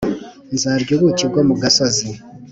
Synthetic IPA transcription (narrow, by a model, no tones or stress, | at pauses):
zaɾɟoβuciɡwomuɡasazi